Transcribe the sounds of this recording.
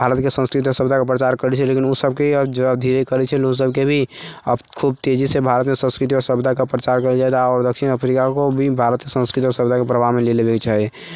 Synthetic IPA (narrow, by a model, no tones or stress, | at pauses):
bʱaɾət̪kesə̃nskɾit̪iɔɾsəbd̪ʱakapɾət͡ʃaɾkəɾɛt͡ʃʰɛlekinosəb̚keəd͡ʒəd̪ʱiɾekəɾɛt͡ʃʰɛlos̬əb̚kebʱiəkʰub̚t̪ed͡ʒisebʱaɾət̪mesə̃nskɾɪit̪̬iɔɾsəbd̪ʱakapɾət͡ʃaɾkəd͡ʒaɛd̪aɔɾd̪əkʃinəpʰɾikakobʱibʱaɾət̪kesə̃nskɾit̪iɔɾsəbd̪ʱakepɾəbʱamelelebekt͡ʃaɦɛ